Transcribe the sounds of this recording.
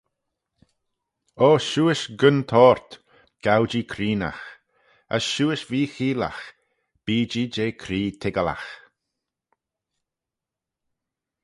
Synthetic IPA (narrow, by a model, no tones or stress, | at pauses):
oːʃuːɪʃɡənt̪ʰɔːɹt̪ | ɡ̥awd͡ʒiːkʰɾiːna̰x | ə̰sʃuːɪʃviːxiːla̰x | b̥iːd͡ʒiːd͡ʒeːkʰɾiːt̪ʰɪɡəla̰x